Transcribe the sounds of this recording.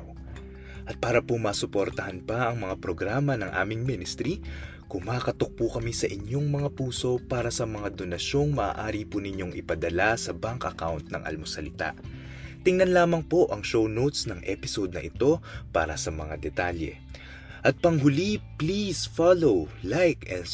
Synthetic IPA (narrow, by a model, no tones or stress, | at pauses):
ʔɐt̪̚paːɾɐpomɐːsʊpo̞ɾt̪ɐhɐnpɐʔɐŋmɐŋapɾoɡɾaːmɐnɐŋʔa̰ːmɪŋminɪst̪ɾi | kʊmaːkɐt̪ok̚pukɐmisɐʔɪɲo̞ŋmɐŋapuːso̞paːɾɐsɐmɐŋad̪o̞nɐʃo̞ŋmɐʔːʔaːɾipunɪɲo̞ŋʔɪpɐd̪ɐlasɐbaŋkɐkawnt̪̚nɐ̰ŋʔɐ̰lmosɐlɪt̪a̰ʔ | t̪ɪŋnɐnlaːmɐŋpo̞ʔɐŋʃownowt̪snɐŋʔɛpɪsod̪̚nɐʔɪt̪o̞pa̰ːɾɐsɐmɐŋad̪ɛt̪aljɛ̰ | ʔɐt̪̚pɐŋɦʊliplisfalowlajkɛ